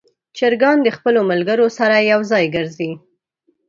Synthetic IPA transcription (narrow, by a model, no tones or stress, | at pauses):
t͡ʃɪɾɡɑnd̪əxpəlomalɡəɾosaɾajawzɑjɡəɾzi